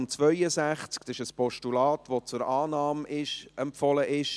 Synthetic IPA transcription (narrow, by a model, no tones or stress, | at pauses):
mt͡sʋœjəsæχt͡sksɪʃəspɔʃtulɑːt̪ʋot͡sʊɾɑːnɑːmɪʃɛmpfɔləʔɪʃ